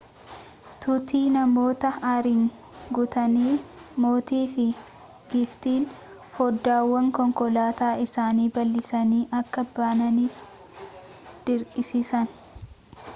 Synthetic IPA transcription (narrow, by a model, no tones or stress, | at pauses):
t̪ʊt̪iːnɐmo̞ːt̪ɐɐɾɪŋ | ɡʊt̪ɐniːmo̞ːt̪iːfɪ | ɡɪft̪iːn | fɔd̪ːaːwːɐŋkɔŋkɔlaːt̪aːʔɪsaːniːbɐlːɪsɐniːʔɐkːɐbaːnɐniːf | d̪̥ɪɾkʼɪsisɐn